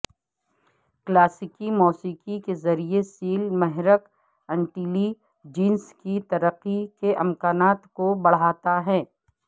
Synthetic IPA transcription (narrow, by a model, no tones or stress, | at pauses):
klaːsɪkimɔːsiːqikezɐɾiesiːlmɐɦɾək | ɛ̃ɳʈiːli | d͡ʒiːnskit̪ɐɾəqːikeʔɪmkaːnaːt̪kobɐɽ̤aːt̪aɦɛː